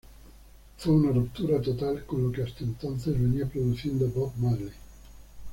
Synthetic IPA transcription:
fuunarupt̪uːɾat̪ot̪alkolokeast̪ent̪ant̪sezveniapɾod̪ut͡ʃɛnd̪obɔbmarli

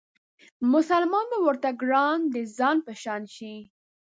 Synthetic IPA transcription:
mʊsalmɑnbawəɾt̪aɡɾɑnd̪əzɑnpəʃɑnʃi

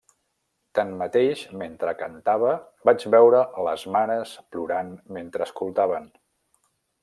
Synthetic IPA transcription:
t̪anmət̪eʒment̪ɾəkənt̪aβə | bad͡ʒβɛwɾələzmanəspluɾanment̪ɾəːskulˠt̪aβ̞ən

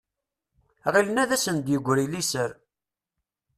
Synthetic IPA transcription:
ʁilənæðæsənd̪jəɡʷːɾilisəɾ

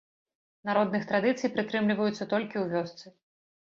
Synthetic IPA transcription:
naɾɔd̪nɨxt̪ɾad̪ɨt̪sɨjpɾɨt̪ɾɨmlʲivɐjut̪sːɐt̪ɔlʲkʲiwvʲɔst̪sɨ

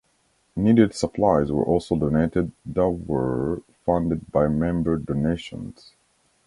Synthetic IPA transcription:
niɾɨdsəpʰlaɪzwə̰˞ʔɔlˠsoʊdoneɪɾɨd̚dəwə˞ | fʌ̃ndɨd̚baɪmɛ̃mbə˞doneɪʃə̰̃nz̥

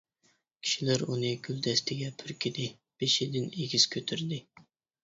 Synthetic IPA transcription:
kʲʰi̥ʃilɪɾunɨkʲʰyld̪ɛst̪ʰɪɡʲɛpʰyɾkʲʰid̪ɪ | b̥eʃid̪ɪneɡʲiz̥kʲʰøt̪ʰyɾd̪ɪ

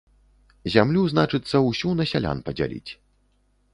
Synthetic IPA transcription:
zʲamlʲuznat͡ʂɨt̪sːɐwsʲunɐsʲalʲa̰npɐd͡zʲa̰lʲḭt͡sʲ

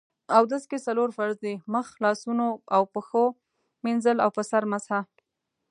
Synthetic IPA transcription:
awd̪əskesaloɾfaɾzd̪eməxlɑsunoawpəxo | minzəlawpəsaɾmasha

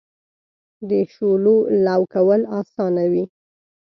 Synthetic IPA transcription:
d̪əʃololawkawəlɑsɑnawi

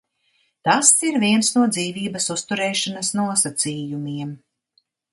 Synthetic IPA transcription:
t̪asiɾviɛnsnuɔd̪ziːviːbɐsust̪uɾɛːʃanɐsnuɔsat̪siːjumiɛm

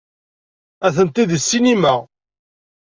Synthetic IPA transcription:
æθənt̪iðəsːinimæ

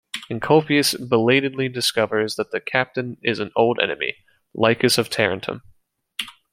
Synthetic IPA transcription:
ɨ̃nkʰoʊpiɨsbəleɪɾɨdˡlidɨskʌvə˞zðɨt̪̚ðɨkʰæp̚tɨ̃nɪzn̩oʊlˠdɛ̰nɨmḭ | laɪkɨsʌv̥tʰɛɹɨ̃ntʰə̰̃m

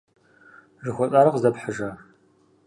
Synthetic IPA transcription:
ʒɨxʷɔt͡sʼaːɾɐqzɐpħəʒa

